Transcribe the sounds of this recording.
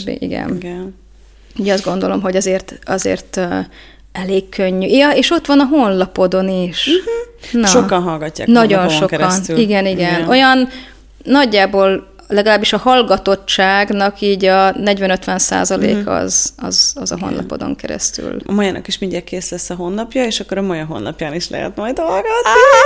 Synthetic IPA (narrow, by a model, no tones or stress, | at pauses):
ḭɡɛ̰nɡn | uɟɒzd̪ɡo̞nd̪o̞lo̞mɦo̞ɟɒzeːrt̪ɒzḛːrt̪ | ɛleːkːʰøɲːyeːʃo̞t̪ʋɒnɒɦo̞nlɒpo̞d̪o̞niʃ | nɒokɒnɦɒlɡɒcːa̰ːnɒɟo̞nʃo̞kkniɡɛniɡɛno̞jɒnː | ɒɟːaːboːl | lɛɡɒlaːbːiʃɒhɒlɡɒt̪o̞t͡ʃt͡ʃːaːɡnɒkiːɟɒnɛɟvɛnøt̪ʋɛnsa̰ːzɒlḛːkʰɒ̰zɒ̰zɒzɒ̰ɦo̞̰nlʔɒ̰po̞̰d̪o̞̰ŋkɛɾɛ̰st̪y̰lɒmɒjanʔɒ̰kiʃmiɲd̪ɛrkeːslɛsːɒɦo̞nːɒpjɒeːʃɒkːoɾømɔjɒɦo̞̰nːɒ̰pjaːniʃlɛ̰ɦɛ̰t̪mɒjd̪olɡot̪ni